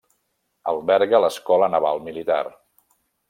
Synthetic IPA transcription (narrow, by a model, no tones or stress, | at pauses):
ə̰lˠβɛɾɣələskɔlənəβ̞alˠmilit̪a̰r